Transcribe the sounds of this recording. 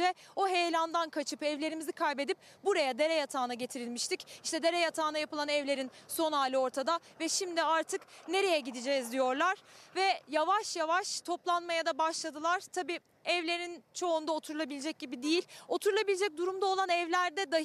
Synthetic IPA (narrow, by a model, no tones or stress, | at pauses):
ɛo̞ɦe̞jlʲand̪ankʰat͡ʃʰɯpɛvlʲe̞ɾimizikʰajbe̞d̪ip̚ | buɾajad̪e̞ɾɛjat̪ʰaːnaɟe̞t̪ʰiɾilʲmiʃt̪ʰiciʃt̪ʰɛd̪e̞ɾɛjat̪ʰaːnajapɯlˠanɛvlʲe̞ɾinso̞naːlʲɯo̞ɾt̪ʰad̪avɛʃimd̪iaɾt̪ʰɯkne̞ɾe̞jɛɟid̪id͡ʒɛzd̪ijo̞ɾlˠaɾ̥vɛjavaʃjavaʃt̪ʰo̞plˠanmajad̪abaʃlˠad̪ɯlˠaɾ̥t̪ʰabiː | ɛvlʲe̞ɾint͡ʃʰo̞und̪ao̞t̪ʰuɾulˠabilʲed͡ʒɛc̚ɟibid̪ijilʲo̞t̪ʰuɾulˠabilʲed͡ʒɛc̚d̪uɾumd̪ao̞lˠanɛvlʲæɾd̪ɛd̪a